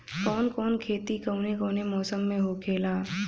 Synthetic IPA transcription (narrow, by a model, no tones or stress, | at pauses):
kɔːnkɔːnkʰeːt̪ikəʊnekɔːnemɔːsəmːẽɦokʰeːlaː